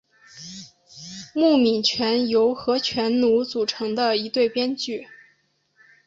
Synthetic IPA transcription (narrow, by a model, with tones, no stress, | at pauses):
mu˥˩mi˨˩nt͡ɕʰɥɛ˧˥njo˧˥ʊxɤ˧˥t͡ɕʰɥɛ˧˥nnu˧˥t͡su˨˩ʈ͡ʂʰɤ˧˥ŋd̪ə˧i˧˥t̪we˥˩ɪpjɛ˥nt͡ɕy˥˩